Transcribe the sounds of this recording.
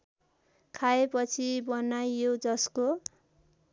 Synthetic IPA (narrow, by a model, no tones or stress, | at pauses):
kʰaepʌt͡sʰibʌnajːod͡zʌsko